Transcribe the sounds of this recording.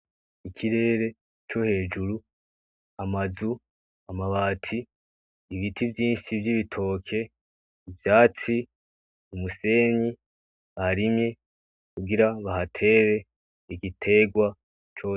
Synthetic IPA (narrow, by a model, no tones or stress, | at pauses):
ikʰiɾe̞ːɾe̞ | t͡ʃo̞he̞ːd͡ʒuɾu | amazu | amaβaːtʰiː | βitʰivjiːnʃivjiβitʰo̞ːkʰe̞ | ivjaːt͡si | umuse̞ɲi | βahaɾimɲe | kuɡiɾaβahatʰe̞ːβe̞ | iɡitʰe̞ɡwa | t͡ʃo